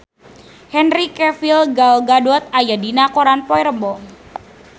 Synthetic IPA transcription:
hɛnɾikɛfilɡalɡadɔt̪̚ajadinakɔɾanpɔiɾəmbɔ

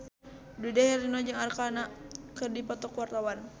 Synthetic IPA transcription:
dudɛhɛrinɔd͡ʒaŋarkanakɨrdipɔt̪ɔkwart̪awan

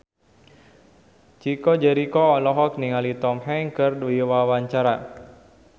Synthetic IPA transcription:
t͡ʃikɔd͡ʒɛɾikɔːlɔɦɔk̚niŋalit̪ɔmɦɛŋkɨrdiwawaɲt͡ʃaɾa

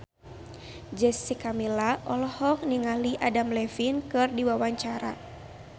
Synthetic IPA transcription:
d͡ʒɛsikamilaʔɔlɔhɔk̚niŋaliʔadamlɛfinkɨrdiwawaɲt͡ʃaɾa̰

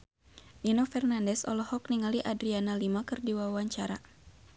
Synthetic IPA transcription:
ninofɛrnandɛsɔ̰lɔhɔk̚niŋaliʔadɾianalimakɨrdiwawaɲt͡ʃaɾa

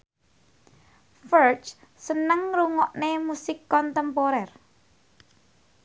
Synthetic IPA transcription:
fəɹt͡ʃ | sənəŋɾuŋɔʔnemusɪkːɔnt̪əmpɔɾɛr

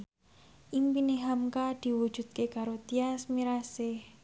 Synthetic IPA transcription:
ʔimpineɦamkad̪̥i̤wud̥ʒ̥ṳd̪̚kekaɾot̪iasmiɾasɪh

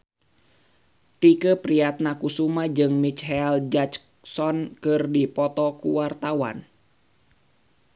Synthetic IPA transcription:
t̪ikəpɾiat̪̚nakusumad͡ʒɨŋmit͡ʃɦɛld͡ʒat͡ʃ | sɔnkɨrdipɔt̪ɔkuwart̪awa̰n

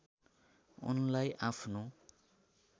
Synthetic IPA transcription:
ṵnlajʔapʰno

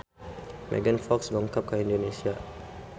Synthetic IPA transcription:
mɛ̰ɡənfɔksbɔŋkap̚kaĩndonesia

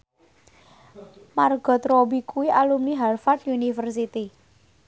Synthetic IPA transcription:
marɡ̥ɔ̤t̪ɾobikʰuwiʔalumniɦalfat̪junifərs̬it̪i

